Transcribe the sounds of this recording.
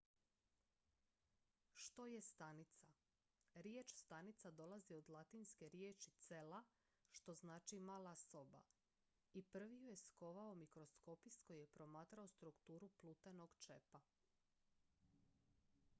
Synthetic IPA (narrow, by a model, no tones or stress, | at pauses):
ʃt̪o̞je̞st̪anit̪sa | ɾjet͡ʃst̪anit̪sad̪o̞lˠazio̞d̪lˠat̪inske̞ɾjeːt͡ʃit̪se̞la | ʃt̪o̞znaːt͡ʃimaːlˠaso̞ba̰ | ipr̩ʋijujesko̞ʋaomikɾo̞sko̞pisko̞jjepɾo̞maːt̪ɾaost̪ɾukt̪uːɾuplˠuːt̪eno̞ɡt͡ʃepa